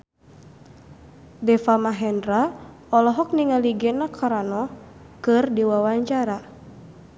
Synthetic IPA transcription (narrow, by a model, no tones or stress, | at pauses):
dɛfamaɦɛndɾa | ɔlɔɦɔk̚niŋaliɡɛnakʰaɾanɔ | kɨrdiwawaɲt͡ʃaɾa